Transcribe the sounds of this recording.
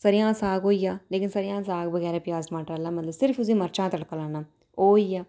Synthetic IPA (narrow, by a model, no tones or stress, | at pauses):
səɾɪjãːsaːɡɦoːiːaːleːkɪnsəɾɪjãːsaːɡbəɡɛːɾɛ̃ːpɪjaːztmãːʈɾaːlaːmət̪ləbsɪɾfʊsĩːməɾt͡ʃãːt̪əɽkəlãːnaː | oːiːaː